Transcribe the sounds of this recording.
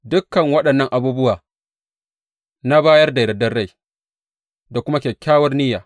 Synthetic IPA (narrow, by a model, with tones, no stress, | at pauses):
dʊ˦kːɐ˨ŋwɐ˦ɗɐ˨nːɐ˦ŋʔa˨buː˦bʊ˦waː˨ | na˦baː˦jɐ˦rda˨ɾɐ˨dɐ˦rɽa˦˨j | da˨kʷʊ˦ma˦kʲeː˨kʲaː˦wɐ˦rnɪ˦jaː˨